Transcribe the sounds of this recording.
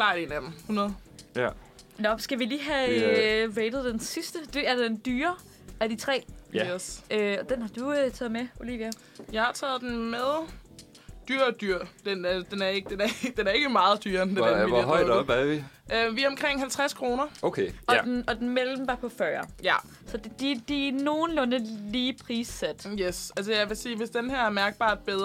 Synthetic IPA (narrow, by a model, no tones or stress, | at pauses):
klɑ̈ːenæ̥m̩hunɐðˠ | nɒ̽sɡ̥æʋiliːɦæ | ʋeɪd̥ð̞̩ˠd̥ensisd̥əd̥e̝æɐd̥end̥yːɐ | æd̥it͡sʰʁɛ̰ːisøɒd̥enhɑ̈d̥uøt͡sʰɛːð̩ˠmeo̝lḭʋjæ | jɑ̈ɪhɑ̈t͡sʰɛ̰ːð̩ˠd̥en̩meðˠ | d̥yɐ̰d̥yɐ̰d̥end̥enæɐe̝ɡ̥əd̥enæɐd̥enæɐe̝ɡ̥əmɑ̈ːð̞̩ˠd̥yɐnd̥edæiɔɪi | ʔøʋiɒ̽mkʰʁeŋ̰ɦælt͡sʰʁaskʰʁo̝ːnɐokʰeɒ̽denɒ̽d̥enmelmm̩bɑ̈pʰɒ̽fɶːɐj | sɒ̽dd̥id̥ino̝ːn̩lɔ̽nəliːpʰʁiːsed̥jesæls̬əjɑ̈ɪʋe̝siːʋe̝sd̥enheɐæɐmæɐɡ̥̚b̥ɑ̰̈ːd̥̚b̥eðˠ